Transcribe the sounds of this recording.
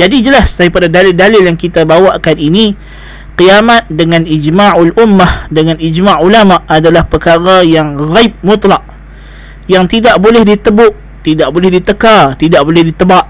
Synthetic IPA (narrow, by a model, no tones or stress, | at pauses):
d͡ʒadid͡ʒəlasdaɾipadadalɪldalɪljaŋkit̪abawaʔkanini | qiamat̪̚dəŋãnid͡ʒmaʔalʔʊmːahdəŋanid͡ʒmaʕulamaʔadalahpəkaɾajaŋɣaip̚mʊt̪ˤlɑʔ̚ | jaŋt̪idaʔbolɛhdit̪əbʊʔ | t̪idaʔbolɛhdit̪əkat̪idaʔbolɛhdit̪əbaʔ